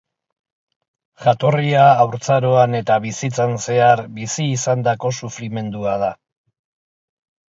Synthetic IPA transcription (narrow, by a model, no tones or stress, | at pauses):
ʝat̪o̞riaːwɾt͡saɾo̞ane̞t̪aβisit͡sanse̞aɾbisiːsand̪ako̞sufɾime̞nd̪uað̞a